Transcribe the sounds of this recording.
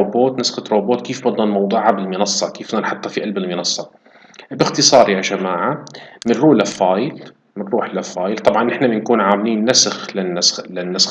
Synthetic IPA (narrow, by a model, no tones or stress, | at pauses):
oboːt̪nasxat̪ɾoːboːt̪keːfbɑd̪ˤɑnmɑwd̪ˤuːʕabɪlmɪnɑsˤːɑkeːfbd̪ɑnħʊt̪ˤːɑfiʔalbɪlmɪnɑsˤːɑ | bɪxt̪ɨsˤɑːɾˤjaʒamaːʕamɪnɾuːlafɑːjɪl | mɪnɾuːħlafɑːjɪlt̪ˤɑbʕɑnʔɪħnamɪnkuːnʕaːmliːnːasxlanːaslɪnːas